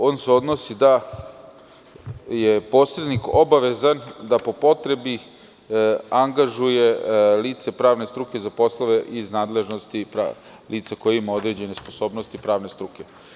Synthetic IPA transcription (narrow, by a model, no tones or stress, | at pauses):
o̞ːnseo̞d̪nosid̪a | jepo̞ːsɾe̞d̪niko̞baʋe̞zand̪apo̞po̞t̪ɾe̞bi | aŋɡaʒuje̞liːt̪sepɾaːʋne̞st̪ɾukezapo̞sloʋeʔiznaːd̪le̞ʒno̞st̪ipɾa̰ | liːt̪sakojeimao̞d̪ɾed͡ʑe̞ne̞sposo̞ːbnost̪ipɾaːʋne̞st̪ɾuke̞